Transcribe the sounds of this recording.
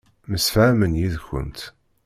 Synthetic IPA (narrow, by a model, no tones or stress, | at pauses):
məsfʕæmənjiðçə̰nt̪